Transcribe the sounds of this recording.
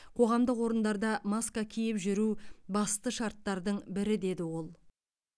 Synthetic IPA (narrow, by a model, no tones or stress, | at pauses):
qʰo̞ʁɑmd̪əqwo̞ɾənd̪ɑɾd̪ɑmoskakʲʰijɪpʒʏɾubɑst̪əʃɑɾt̪ːɑɾd̪əɴbɪɾɪd̪e̞d̪ɪwo̞lˠ